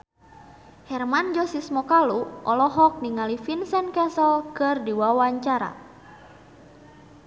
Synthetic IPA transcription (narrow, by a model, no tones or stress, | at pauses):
hɛrmand͡ʒɔsismɔkaluʔɔlɔɦɔk̚niŋalifinsɛnkɛsɔlkərdiwawaɲt͡ʃaɾa̰